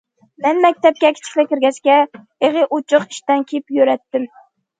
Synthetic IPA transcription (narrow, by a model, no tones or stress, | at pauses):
mɛnmɛk̚ʲt̪ɛp̚kʲɛkʲʰɪ̥t͡ʃʰi̥kʲlɛkʲɪɾɡʲɛskʲɛ | eʁɨʔot͡ʃʰʊqi̥ʃt̪ɛnkʲʰepjøɾɛt̪ːɪm